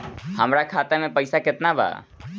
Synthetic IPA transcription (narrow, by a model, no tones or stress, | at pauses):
həmɾakʰat̪emepəjsaket̪nabʱa̰